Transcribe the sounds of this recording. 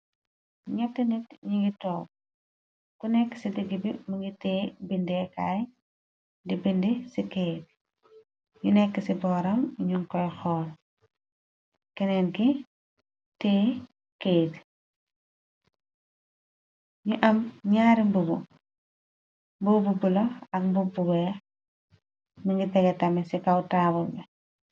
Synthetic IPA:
ɲɐtːɐnitɲiŋɡitɔːp̚ | kunɛkːə̥sidəɡːibimɐŋɡitɛːbindɛkaj | dibindisikeːt̚ | ɲunɛkːəsibɔːɾɐmɲuŋkɔjxɔːl | kɛnɛnki | tɛː | keːt | ɲuʔɐmɲaːɾimbubu | mbububulɔɐk̚mbubuɡɛ | miŋɡitɛɡɛtɐmɛsikɐwtaːbulbɛ

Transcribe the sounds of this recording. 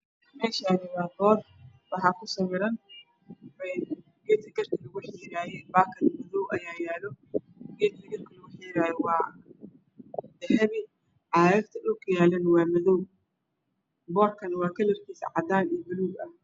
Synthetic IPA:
mɛːʃɐnɪwaːbɔːr | bɐħɑkʰʊsɐwɪɾɐn | ɛ | ɡɛːt̪kʰɐɡɐrkʰɐlɐɣʊħɪɾaːjɛbaːkʰɐnmɐðɔwʔɐjaːjaːlɔ | ɡɛːd̪lɐɡɐrkʰɐlʊɣʊħiɾaːjɛwɑː | d̪ɐhɛβɪ | ʕɑːjɐbt̪ʰɐdʊkʰʊjaːlɐnwɑːmɐðɔw | bɔːrkʰɐnwɑːkʰɐlɛrkʰiːsɐ̰ʕɑd̪aːniːbɐluːɡɐh

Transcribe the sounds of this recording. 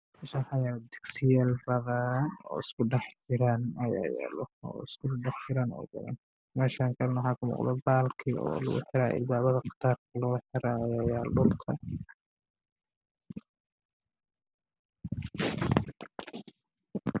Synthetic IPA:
mɛːʃaːħajaːld̪ɪɡsɪjaːlbɐðanɔ̰ːɪskʊɖɛħt͡ʃɪɾaːnɐja̰ːja̰ːlɔɔ̰ːɪskʊɖɛħt͡ʃɪɾaːnɔ̰ːbɐ̰ðɐ̰n | mɛːʃaːŋkʰɐlɐnwħɑːkʰʊmɔ̰ːqd̪ɛbaːlkʰiɔ̰ːlʊ̰ɣʊ̰ħɪɾaːʔɪ̰b̪aːβɐðɐqɑ̥t̪ʰaːrkʰɐlɔɣħɪɾaːjaːjaːlʊlk̪ʰɐ

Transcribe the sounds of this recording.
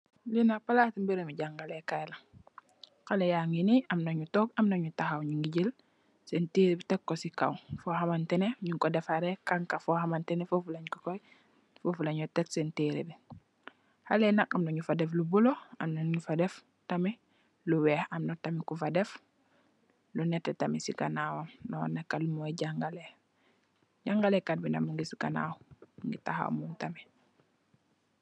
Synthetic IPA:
linapalatimbiɾemiɟaŋɡalekajla | xalejaŋiniʔamnoɲutɔːkamnoɲutaxawɲuŋɡiɟil | sentiɾibitɛkːosika̰wfohamantɛneɲuŋkɔdɛfaɾɛkaŋkafɔhamantɛnefofulaɲkukoj | fofulaɲɔtɛtsentiɾḭbi | halɛnak̚amnɔɲufadɛflubuloa̰mnɔɲufadɛf | tami | luwɛhamnɔtamikufadɛf | lunɛtːɛtamisikanawamnɔnakːalumɔjɟaŋɡale | ɟaŋɡalɛkat̚binamuŋɡisikana̰wŋɡitaha̰w̰muntami

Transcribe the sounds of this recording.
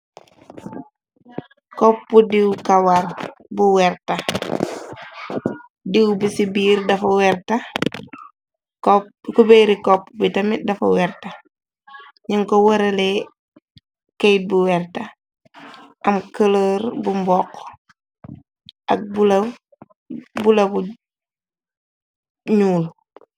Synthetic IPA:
kɔpːudiwkɐwɐrbuwɛrtɐ | diwbisibiːɾdɐfɐwɛrtɐ | kkubɛɾikɔpːubitɐmidɐfɐ̰wɛrtɐ | ɲiŋkɔwɐɾɐlɛ | kɛjt̚buwɛrtɐ | ʔɐmkələɾbumbɔqː | ʔɐk̚bulɐ | bulɐbu | ɲuːl

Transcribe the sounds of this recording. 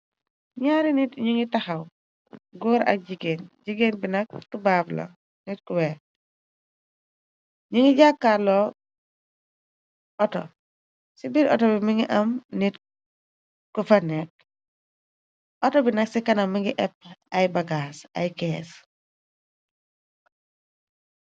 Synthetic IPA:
ɲaɾinitɲiŋitahɐw | ɡuːɾɐ̰k̚ɟiɡenɟiɡeːnbinɐkːubaːblo̰ | nit̚kuwɛ | ɲiŋiɟakːalɔ | ɔtɔ̰ | sibiɾɔtɔbimiŋiʔɐmnit | kufɐnek̚ | ɔtɔbinɐksikɐnɐmːiŋɡiʔɛp̚ɐjbaɡaːsa̰jkɛːs

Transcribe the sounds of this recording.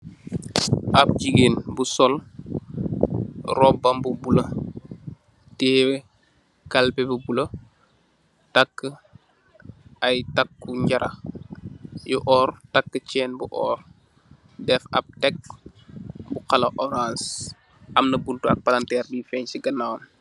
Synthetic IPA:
ʔɐp̚ɟiɡeːnbusɔl | rɔbɐmbubulɐ | ti | kɐlpɛbubulɐ | tɐkːə | ɐjtɐkːuɲɟɐɾʔɐ̰ | juʔɔːrtakːət͡ʃɛːnbuʔɔ̰ːr | dɛfɐ̰p̚tɛk̚ | buxɐlɐʔɔɾãːns | ʔɐmnɐbuntuɐk̚pɐlɐntɛːrbifɛɲsiɡɐnːawn

